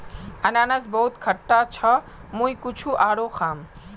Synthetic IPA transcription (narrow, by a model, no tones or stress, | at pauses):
ɐnaːnɐsbɐɦʊt̪kʰɐʈːat͡ʃʰɐ | mũĩkʊt͡ʃʰuʔaːɽoxaːm